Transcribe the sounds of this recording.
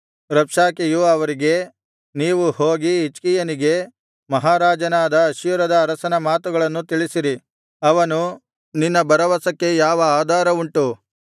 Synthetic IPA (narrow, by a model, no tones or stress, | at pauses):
ɾɐpʂaːkejuɐʋɐɾiɡe̞ | niːʋuhoːɡiːt͡ʃkijɐniɡe̞ | mɐɦaːɾaːd͡ʒɐnaːd̪ɐːʃijuɾɐd̪ɐːɾɐsɐnɐmaːt̪uɡɐɭɐnːut̪iɭisiɾi | ɐʋɐnu | ninːɐbɐɾɐʋɐsɐkːe̞jaːʋɐaːd̪ʱaːɾɐuɳʈu